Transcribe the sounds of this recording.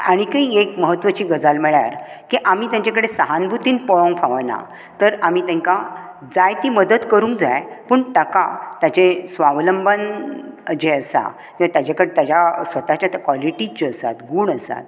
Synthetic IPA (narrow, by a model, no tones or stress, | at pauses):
aɽ̃ikəiekməɦət̪ʋət͡ɕiːɡəd͡zalmɛɭja̰ɾ | kiʔamiːt̪jãɲt͡ɕakəɽesəɦanbʱut̪iːnpɔɭə̃ŋɡpʰaʋəna̰ | t̪əɾam̤iːt̪ɛ̃ŋka | d͡zajt̪iːməd̪əd̪kəɾuːŋd͡zajpuːɳʈəkat̪jat͡ɕesʋaʋləmbʱən | d͡ʑeəsa̰ | kĩat̪jat͡ɕakəɽet̪jad͡ʑjasʋət̪at͡ɕjat̪əkʋɔliʈid͡ʑeəsa̰t̪ɡuːɳəsa̰t̪̚